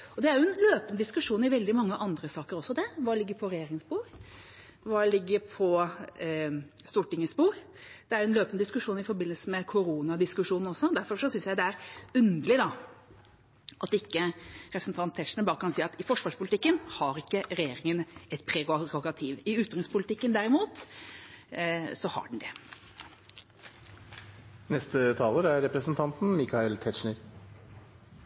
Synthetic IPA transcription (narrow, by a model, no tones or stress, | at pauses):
ɔd̪ɛæɾjʊɛnløːpənəd̪ɪskʉʂuːnɪʋɛld̪ɪmɑŋːəʔɑnd̪ɾəsɑːkəɾɔsːɔd̪ɛʋɑːlɪɡːəɾpʰɔɾɛjeːɾɪŋspuːɾ | ʋɑːlɪɡːəɾpʰɔ | st̪uːʈɪŋːəspuːɾ | d̪̥ɛæɾjʊɛnløːpənəd̪ɪskʉʂuːnɪfɔɾbɪnəlsəmɛkʰʊɾuːnɑd̪ɪskʉʂuːnn̩ɔsːɔd̪æɾfɔɾʂɔsʏnsjæɪd̪ɛæɾʉnd̪əlɪd̪ɑ | ʔɑt̪ɪkːəɾɛpɾsn̩t̪ʰɑnt̪ʰːɛʂnəbɑːɾəkʰɑnsiːɑt̪ɪfɔʂʋɑʂpʊlɪt̪ɪkːənhɑɾɪkːəɾɛjeːɾɪŋənɛt̪pʰɾɛɾɔɡɑt̪ʰiːʋɪʉːt̪ɾɪŋspʰʊlɪt̪ɪkːənd̪æɾɪmuːt̪ | sɔhɑ̰ɖɳ̩d̪ɛ̰ | nɛst̪ət̪ʰɑːləɾæɾɾɛpɾəsənt̪ʰɑnt̪n̩mɪkʰɑɪlt̪ʰɛʃɳəɾ